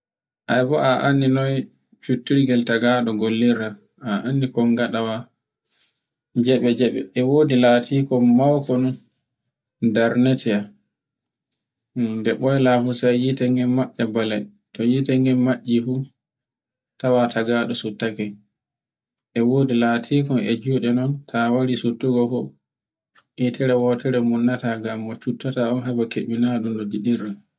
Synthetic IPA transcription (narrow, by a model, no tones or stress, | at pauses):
ʔajbɔʔaʔanːinɔj | t͡ʃutːiɾɡɛltaɡaɗɔɡolːiɾa | aʔanːikɔŋɡaɗawa | d͡ʒɛɓɛd͡ʒɛɓɛ̰ʔɛwoːdilaːtʰikɔmawkɔn | daɾnɛtʰɛa | dɛɓɔjlafusajjitaŋɡɛnmaʔːabalɛ | tɔjitɛŋɡɛnmaʔːifu | tawatʰaɡaːɗɔsutːakɛ | ʔɛwoːdilatʰiːkɔnɛ̰d͡ʒuːɗɛnɔntʰawaɾisutːuɡɔfɔ | ʔitʰɛɾɛwɔtɛɾɛmunːataɡamːɔt͡ʃutːataɔnɦabakeɓinaɗundɔdiɗiɾa